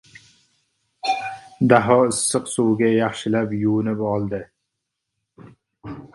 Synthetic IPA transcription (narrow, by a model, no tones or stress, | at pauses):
d̪æɦɒɪsːɨqsuwɡʲɛjɑχʃɪlæpjunɪpɑlˠd̪ɨ